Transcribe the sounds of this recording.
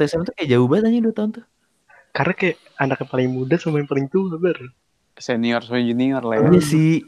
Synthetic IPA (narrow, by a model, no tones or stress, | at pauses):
t̪aisamat̪ukajaʔd͡ʒaubat̪̚aɲiduat̪aʊnt̪ʊ | kaɾnakaja | andakːəpalɪŋmudasəmaŋpəɾint̪uhabər | sɛniɔrsoɛd͡ʒuniɔrlaaasi